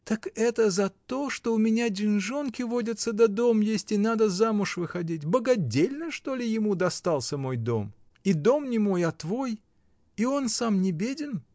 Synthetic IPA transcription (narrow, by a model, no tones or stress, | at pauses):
t̪əkɛt̪əzɐt̪o̞ʂt̪o̞ʊmʲɪnʲadʲɪnʐo̞nkʲɪvo̞dʲət̪səd̪ɐd̪o̞mjesʲtʲɪnad̪əzamʊʂvɨxɐdʲitʲbəɡɐdʲelʲnəʂt̪o̞lʲɪjɪmud̪ɐst̪alˠsʲəmo̞jd̪o̞̰m | id̪o̞mnʲɪmo̞jɐt̪vo̞j | io̞nsamnʲɪbʲedʲɪn